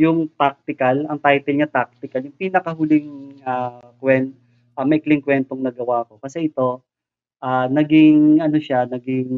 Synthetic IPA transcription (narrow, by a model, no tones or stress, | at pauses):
jʊŋt̪ak̚t̪ɪkɐlɐŋt̪ajt̪ɛlɲat̪ak̚t̪ɪkɐljʊŋpiːnɐkɐɦʊlɪŋakwɛn | ʔɐmɐɪklɪŋkwɛnt̪oŋnɐɡɐwaʔɐko̞kɐsɛʔɪt̪o̞ | ʔanɐɡɪŋʔɐno̞ʃanɐɡɪŋ